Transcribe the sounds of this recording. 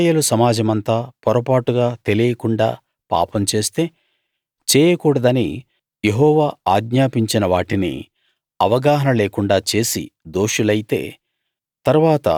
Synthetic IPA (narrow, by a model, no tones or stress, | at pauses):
jeːlusɐmaːd͡ʒɐmɐnt̪aːpɔɾɐpaːʈuɡaːt̪e̞lijɐkuɳɖa̰ː | pa̰ːpɐmt͡ʃe̞ːst̪e̞ː | t͡ʃɛːjɐkuːɽɐd̪ɐnḭ | jeɦɔːʋaːaːɡɲaːpiɲt͡ʃinɐʋaːʈinḭ | ɐʋɐɡaːɦɐnɐleːkuɳɖaːt͡ʃe̞ːsḭd̪o̞ːʃulɐjit̪e̞̰ː | t̪ɐɾuʋaːt̪ɐ̰